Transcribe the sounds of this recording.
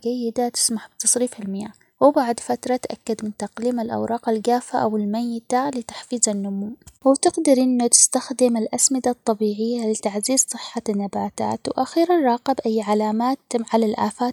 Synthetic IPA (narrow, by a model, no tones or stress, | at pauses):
ɡajːɪd̪at̪ɪ̥smaħb̥̚t̪ɑsˤɾiːfalmɪjaː | wɪbaʕd̪fat̪ɾˤɑt̪ʔa̰kːad̪mɪnt̪aqliːmɪlʔɑ̰wɾˤɑːqalɡaːfaʔawɪlmajːɪt̪alɪt̪ḁħfiːzanːʊmuːwɪt̪ɪɡd̪ɑɾʔɪnːut̪ɪ̥st̪axd̪ɪmɪlʔasmɪd̪at̪ˤːɑbiːʕɪjːalɪt̪aʕziːzsˤɨħːanːabaːt̪a̰ːt̪wʔaxiːɾanɾˤɑːqɪbʔajːʕalaːmaːt̪ʕalalʔaːfaː